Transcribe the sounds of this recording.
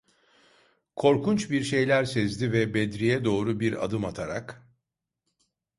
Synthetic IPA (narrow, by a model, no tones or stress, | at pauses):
kʰo̞ɾkʰunt͡ʃbiɾʃe̞jlʲæɾsɛzd̪ivɛbɛd̪ɾijɛd̪o̞ːɾubiɾa̰d̪ɯmat̪ʰaɾak